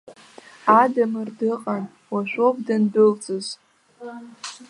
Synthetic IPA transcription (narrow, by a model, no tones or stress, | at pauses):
adamɨrdɨqʼan | waʃʷᶣopdɨnbʊlt͡sʼɨz